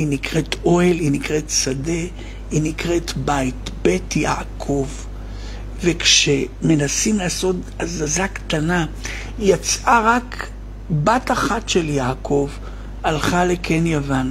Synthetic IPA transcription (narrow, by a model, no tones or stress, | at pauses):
inikʁetʰʔo̞elinikʁe̞tsade̞ | inikʁe̞tbaitbe̞tjakʰo̞v | ve̞kʃeme̞nasimlaːso̞t | azazaktana | jat͡sʔaʁak | bataχatʃe̞ljaːkʰo̞v | alχale̞kʰenjavan